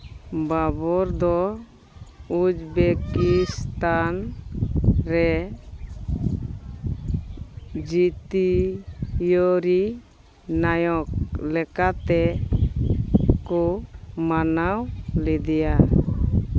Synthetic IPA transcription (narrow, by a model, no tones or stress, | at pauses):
babɔɾd̪ɔ | ud͡ʒbekist̪an | ɾɛ | d͡ʒit̪i | joɾi | najɔklɛkat̪ɛ | kɔmanawlɛd̪ɛja